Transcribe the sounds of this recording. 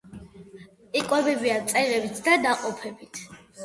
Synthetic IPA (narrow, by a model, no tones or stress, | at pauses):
ikʼwɛbɛbiat̪sʼɛʁɛbit̪ʰd̪ad̪aqʼɔpʰɛbit̪ʰ